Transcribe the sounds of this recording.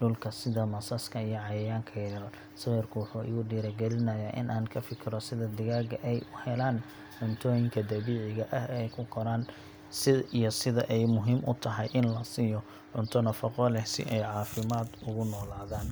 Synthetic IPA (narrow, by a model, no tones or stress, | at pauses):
ɖʊlkʰɐsɪðɐmɐsɐskʰɐijɔʕɑjɐjaːŋkʰɐjɛɾɐ | sɐwɛrkʰʊwʊħuːʔɪ̰ɣʊɖiːɾɐɡɛlɪnɐjaːʔɪ̰nʔaːnkʰɐfɪkʰɪɾɔsɪðɐd̪ɪɣaːɡɐʔɛjʊhɛlaːn | ʕʊnt̪ʰɔːjɪŋkʰɐd̪ɐβiːʕɪɣɐʔɐhɛjkʰʊkʰɔɾaːn | sɪijɔsɪðɐʔɛjmʊɦiːmʔʊ̰t̪ʰɐɦɐjʔɪnlɐsiːjɔ | ʕʊnt̪ʰɔnɐfɐqɔlɛhsɪ̰ʔɛjʕɑːfɪmaːd̪ʊɣʊnɔːlaːðaːn